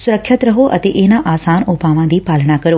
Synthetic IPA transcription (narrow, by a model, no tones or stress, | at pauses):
sʊɾəkʰːət̪ɾɐɦoʔɐ̰t̪eːʔeːnãʔaːsaːnoːpaːʋãd̪iːpaːləɽ̃akɐɾoː